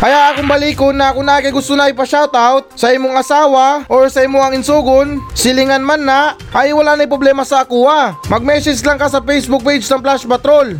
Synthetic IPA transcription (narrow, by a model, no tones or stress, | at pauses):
kɐjaʔɐkoŋbɐliːkonːɐkʊnakɐɡʊst̪ʊnajpɐʃawt̪awt̪̚sɐʔɪmoŋɐsaːwaʔoɹsɐʔimoɐŋɪnsuːɡonsɪlɪŋanmanːa | ʔɐjwɐlanɐjpɾoblɛːmɐsɐːkuːamɐɡ̚mɛːsɛslaŋkɐsɐpɛjsbʊk̚pejd͡ʒnɐŋplaspɐt̪ɾol